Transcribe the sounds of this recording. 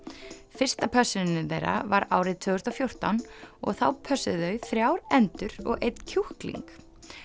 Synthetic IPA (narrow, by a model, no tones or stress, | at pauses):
fɪr̥st̪apʰœsʏnɪnɪθḛjrːa̰vaɾaːwɾɪðt̪ʰʏːɣʏst̪ɔfjowr̥t̪anɔɣθawpʰœsʏðœɥθɾjaːwɾɛnt̪ʏɾɔ̰ɣʔejt̪n̥cʰuhklḭŋk